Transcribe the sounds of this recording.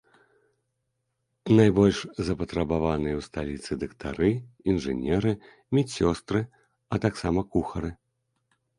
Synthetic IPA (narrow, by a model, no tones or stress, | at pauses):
najbɔlʲʂzɐpɐt̪ɾɐbavanɨjɐwst̪alʲit̪sɨd̪ɐkt̪ʰa̰ɾɨinʐɨ̰nʲɛɾɨ | mʲɛt͡sʲsʲɔst̪ɾɨ | ɐt̪aksamɐkuxɐɾɨ